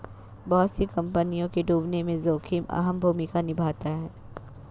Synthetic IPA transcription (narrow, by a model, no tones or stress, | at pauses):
bɐɦʊt̪sikɐ̃mpənijõkeɖuːbnemẽzoːkʰima̰ɦəmbʱuːmɪkanɪbʱaːt̪aɦɛː